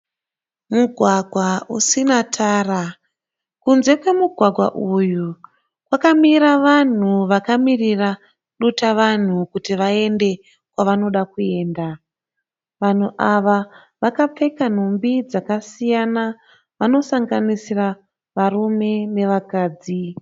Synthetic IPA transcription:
muɡʱwaɡʱwausinatʰaːra | kunze̞kwe̞muɡʱwaɡʱwa̰ʔuju | kwakamiɾaʋan̤uʋakamirira | ɗutaʋan̤ukutiʋae̞nde̞ | kwaʋano̞ɗakue̞ːnda | ʋan̤uʔaʋa | ʋakap͡fe̞kan̤umbid͡zakasijana | ʋano̞saŋɡanisira | ʋarume̞ne̞ʋakaːd͡zi

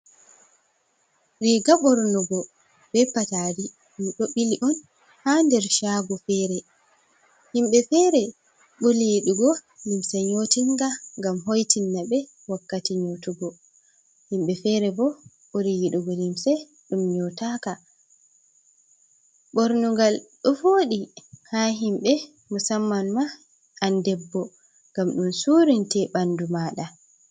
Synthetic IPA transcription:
ɾiɡaɓɔɾnuɡɔ | bɛpːataːɾi | ɗumɗoɓiliʔɔn | handɛɾʃaːɡufɛːɾɛ | himɓɛfɛɾɛ | ɓolijiɗuɡɔlimsɛɲotiŋɡaŋɡamɦojtinːaɓɛ | wakːatiɲotuɡɔ | himɓɛfɛɾɛbɔ | ɓolijiɗuɡɔlimsɛ | ɗumɲɔtaka | ɓɔɾnuɡalɗɔvoːɗihaɦimɓɛ | musamːanma | andɛbːɔ | ŋɡamɗunsuːɾintɛɓandumaɗa

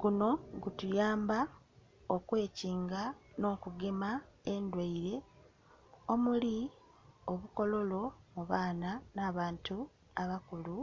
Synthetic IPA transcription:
kuno̞ɡutujaːmba | okwe̞ːciːŋɡano̞ːkuɡemae̞ndwaiɾe̞ | o̞muli | oβuko̞lo̞lo̞muβaːnanaːβaːntu | aβakulu

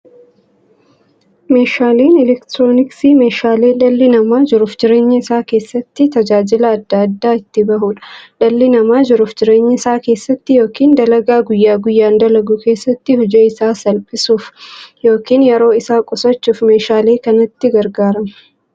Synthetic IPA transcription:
me̞ːʃaːleːnɛlɛkt̪ɾo̞ːnɪksiːme̞ːʃaːleːlɐlːɪnɐmaːd͡ʒɪɾʊfd͡ʒɪɾe̞ːɲːɐɪsaːke̞ːsːɐt̪ːɪt̪ɐd͡ʒaːd͡ʒɪlɐːd̪ːɐɐd̪ːaːɪt̪ːɪbɐɦuːᶑɐ̥ᶑɐlːɪnɐmaːd͡ʒɪɾʊfd͡ʒɪɾe̞ːɲːɐɪsaːke̞ːsːɐt̪ːɪjo̞ːkiːnd̪ɐlɐɡaːɡʊjːaːɡʊjːaːnd̪ɐlɐɡuke̞ːsːɐt̪ːɪhʊd͡ʒɛɪsaːsɐlpʼɪsuːfjo̞ːkiːnjɛɾo̞ːɪsaːkʼɔsɐt͡ʃːuːfme̞ːʃaːleːkɐnɐt̪ːɪɡɐɾɡaːɾɐmɐ̥

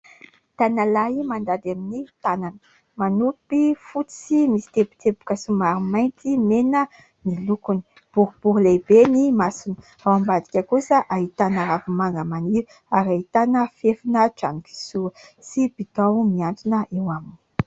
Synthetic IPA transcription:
t̪analaimand̪ad̪aminit̪ananə̥ | manupifut͡simisi̥t̪ebu̥t̪ebu̥kəsumaɾumajnt̪imenə | nilukuni̥ | b̥uɾub̥uɾulebenimasinə̥ | awambad̪ikʲəkusəʔaɦit̪anaɾavimaŋɡəmani | aɾait̪anəfefinəʈ͡ʂa̰niki̥suəsibit̪awmiant̪unəʔewamini̥

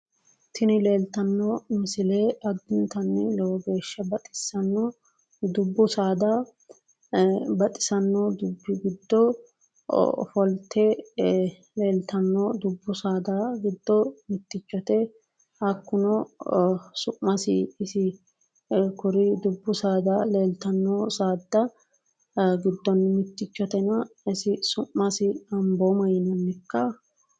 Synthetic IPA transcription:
t̪ɪnɪleːlt̪ɐnːɔmɪsɪleɐd̪ːɪnt̪ɐnːɛlɔwɔɡe̞ːʃːɐbɐt̪ʼɪ̥sɐnːɔ | d̪ʊbːʊsaːd̪ɐ | bɐt̪ʼɪ̥sɐnːɔd̪ʊbːɪɡɪd̪ːɔ̰ | fɔlt̪ʰːɛ | leːlt̪ɐnːɔd̪ʊbːʊsaːd̪ɐɡɪd̪ːɔmɪt̪ːɪt͡ʃːɔt̪ɛ | hɐkːʊnɔ | sʊʔːɐsɪːsɪ | kʊɾɪd̪ʊbːʊsaːd̪ɐleːlt̪ɐnːɔsaːd̪ːɐ | ɡɪd̪ːɔnːmɪt̪ːɪt͡ʃːɔt̪ɛnɐɪsɪsʊʔːɐsɪɐmbomɐjɪnɐnːɪkːɐ

